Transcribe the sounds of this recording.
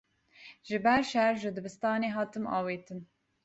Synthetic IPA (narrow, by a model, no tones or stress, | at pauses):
ʒɨbɛɾʃɛɾʒɨd̪ɨbɨst̪ɑːneːɦɑːt̪ɨmɑ̰ːweːt̪ɨn